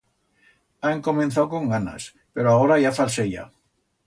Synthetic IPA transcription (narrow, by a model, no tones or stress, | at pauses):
aŋko̞mẽ̞nθawkõ̞ŋɡana̰s | pe̞ɾoao̞ɾaʝafalseʝa̰